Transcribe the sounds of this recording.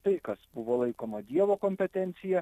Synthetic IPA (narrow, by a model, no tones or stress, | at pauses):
t̪ɐɪkɐsbʊʋoːlˠɐɪkoːmɐd̪ʲiɛʋoːkoːmʲpʲɛt̪ʲɛnʲt̪sʲɪjɛ